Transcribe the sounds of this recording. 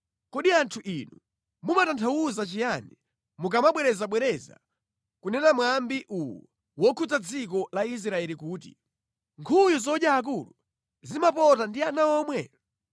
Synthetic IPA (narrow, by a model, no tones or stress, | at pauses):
kɔɗiantʰuʔinu | mumatantʰawuzat͡ʃijani | muk̬amaɓwɛɾɛzaɓwɛɾɛza̰ | kunɛnamwambiʔuwṵɔ | wɔkʰut͡sad͡zik̬ɔlais̬ɾaɛlikuːtḭ | ŋkʰujuzɔɗjaːk̬ulu | zimapɔtandianaɔmwɛ̰